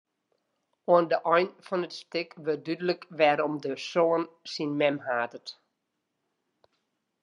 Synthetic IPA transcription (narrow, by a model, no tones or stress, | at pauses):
oəndəʔɔjnfɔnətstɪkʋədydələkʋɛɾɔmdəsoənsinmɛmhaːtət